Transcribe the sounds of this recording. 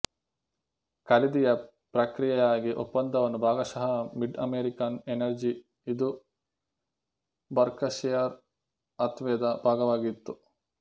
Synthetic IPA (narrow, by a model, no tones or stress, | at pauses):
kɐlid̪ijɐ | pɾɐkɾijɐjaːɡiʔɔpːɐnd̪ɐʋɐnːubʱaːɡɐʃɐɦɐmiɖɐmeɾikɐnenɐɾd͡ʒi | id̪u | bɐɾkɐʃɛjaɾ | ɐt̪ʋɛːd̪ɐbʱaːɡɐʋaːɡit̪ːu